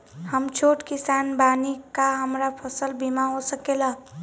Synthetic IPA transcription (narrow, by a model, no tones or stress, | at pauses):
həmt͡ʃʰoʈkisanbanikaɦəmɾapʰəsəlbimaɦosəkela